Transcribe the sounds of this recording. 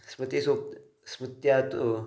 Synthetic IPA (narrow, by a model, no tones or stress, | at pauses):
smɨt̪eso | smut̪jat̪